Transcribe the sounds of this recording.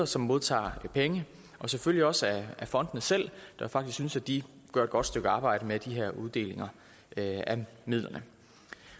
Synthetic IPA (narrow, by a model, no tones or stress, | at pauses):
ɐsɒ̽mːo̝ðˠt͡sʰɑ̰̈ːpʰeŋə | ʔɒ̽seføl̰jiɒ̽səææfɒ̽n̰d̥ənəsel̰d̥æjfɑ̈ɡ̥isksynsæd̥i | ɡ̥ɶɐed̥̚ɡ̥ɒ̽d̥sd̥øɡ̥əɑ̈ːb̥ɑ̈ɪ̰ɾ̥əmed̥iɦæɐ̰uð̞ˠd̥e̝̰ːle̝ŋɐ | æmið̰ˠlɐnə